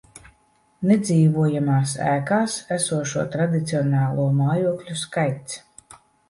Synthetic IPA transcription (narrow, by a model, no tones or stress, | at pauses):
ned̪ziːvuɔjamaːsæ̰ːkaːsæsuɔʃuɔt̪ɾad̪it̪siɔnaːlˠuɔmaːjuɔklʲuskajt̪s